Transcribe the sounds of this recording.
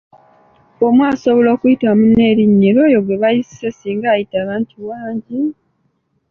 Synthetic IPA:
o̞mwaːso̞βo̞lo̞ːkujitamune̞ɾiɲːiɾo̞jo̞ɡwe̞βajisi̥se̞siːŋɡajitaːβaːntuwaːɲɟi

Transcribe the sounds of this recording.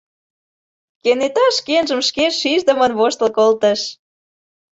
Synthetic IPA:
kenet̪ɑʃkenʒəmʃkeʃiʒd̪əmənβoʃt̪lkolt̪əʃ

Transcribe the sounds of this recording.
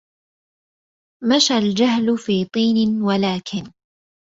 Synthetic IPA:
maʃald͡ʒahlʊfiːt̪ˤiːnɪwalaːkʰɪn

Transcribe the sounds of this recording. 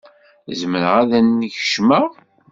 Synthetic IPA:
zməɾəʁæðænːiçə̥ʃməʁ

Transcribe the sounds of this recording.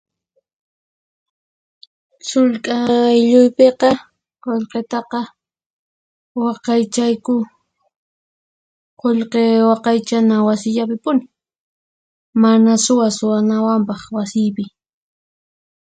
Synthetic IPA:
sʊlkʼajʎʊjpeqɑ | qoʎqet̪ɑqɑ | wɑqɑjt͡ʃajkʊ | qoʎqewɑqɑjt͡ʃanawasɪʎapɪpʊnɪ | manasʊwasʊwanawampɑχwasɪjpɪ

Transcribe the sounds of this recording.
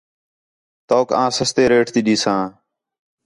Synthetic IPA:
t̪oːkãːsəst̪eːɾeːʈt̪iːɗiːsãː

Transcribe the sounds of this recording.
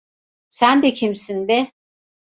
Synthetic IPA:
sænd̪ɛcʰimsind̪ɛ

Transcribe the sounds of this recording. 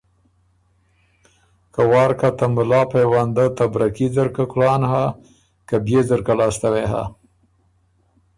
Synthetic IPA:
kawɑːɾkat̪amʊlɑːpajwand̪at̪abɾakizaɾkakɽɑːnha | kabjezaɾkalɑːst̪aweɦa̰

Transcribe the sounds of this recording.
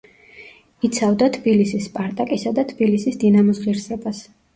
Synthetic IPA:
it̪sʰavd̪at̪ʰbilisispʼaɾt̪ʼakʼisad̪at̪ʰb̥ilisisd̪inamɔsʁiɾsɛbas

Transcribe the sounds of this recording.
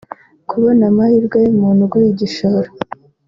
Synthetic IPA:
kʰuβonamahiɾɡajemuːnuɡuiɟiʃaɾo

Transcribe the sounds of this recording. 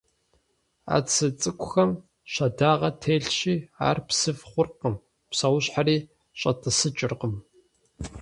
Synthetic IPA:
a̰ːt͡sʰɨt͡sʼɨkʷʊxɐm | ɕɐdaːʁɐtʰeːɬɕiːa̰ːrpsɨfχʷʊrqəm | psɐwʊɕħariː | ɕʼɐtʰʼəsɨt͡ʃʼɪrqəm

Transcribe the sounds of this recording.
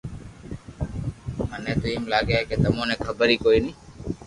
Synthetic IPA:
mənẽːt̪ʊĩːmlaːɡeɦekeːt̪əmõːnẽːkʰəbəɾiːkoːiːnĩː

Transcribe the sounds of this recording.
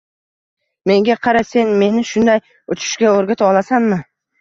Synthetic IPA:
me̞ŋɡʲaqʰɑɾase̞nme̞nɪʃʊnd̪aj | ʊt͡ʃʰɪ̥ʃɡʲaoɾɡʲat̪ʰɒlˠasanmɪ

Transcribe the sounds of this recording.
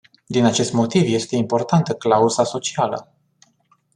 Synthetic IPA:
d̪inat͡ʃe̞st̪mo̞t̪ivje̞st̪e̞impo̞rt̪ant̪əklauzaso̞t͡ʃialə̰

